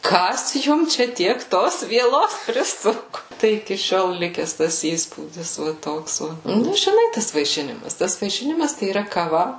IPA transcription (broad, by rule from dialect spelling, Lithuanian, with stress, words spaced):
ˈkɐs ˈjʊm ˈt͡ʃʲɛ ˈtʲiɛk ˈtoːs ʋʲiɛˈlˠoːs pʲrʲɪˈsʊkʊ ˈtɐɪ ɪkʲɪ ˈʃʲoːlˠ ˈlʲɪkʲɛs tɐs ˈiːspuːdʲɪs ʋɐ ˈtoːks ˈʋɐ ˈnʊ ʒʲɪˈnɐɪ ˈtɐs ʋɐɪˈʃʲɪnʲɪmɐs ˈtɐs ʋɐɪˈʃʲɪnʲɪmɐs tɐɪ iːˈrɐ kɐˈʋɐ